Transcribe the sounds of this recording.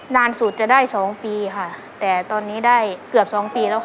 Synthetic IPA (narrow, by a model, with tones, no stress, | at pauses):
naː˧nsuː˨˩t̪̚t͡ɕa˨˩daː˥˩jsɔː˩˦ŋpiː˧kʰa˧˩ | t̪ɛː˨˩t̪ɔː˧nːiː˦˥˩daː˥˩jkɯ˨˩əp̚sɔː˩˦ŋpiː˧lɛː˦˥w